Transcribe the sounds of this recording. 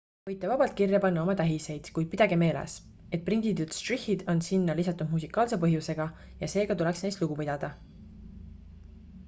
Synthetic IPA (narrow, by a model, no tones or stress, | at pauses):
vɤ̞jt̪ːˑevɑbɑlt̪̚kirjɑpɑnːɑo̞mɑt̪æɦise̞jd̪̥kujd̪̥̚pid̪̥ɑɡ̥eme̞ːlḛs | e̞t̪̚prind̪id̪ut̪st̪rihid̪̥o̞nsinːɑlisɑt̪ːˑud̥̪musikːˑɑːlse̞pɤɦjuse̞ɡ̥ɑ | jɑse̞ːɡ̥ɑt̪ule̞ksnejst̪luɡ̥upid̪̥ɑd̪̥ɑ